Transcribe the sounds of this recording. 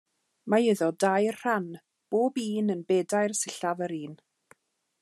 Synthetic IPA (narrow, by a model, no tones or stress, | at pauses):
maɪðɔdajrr̥an | b̥oːbiːnənbɛːdajrsɪɬavəɾiːn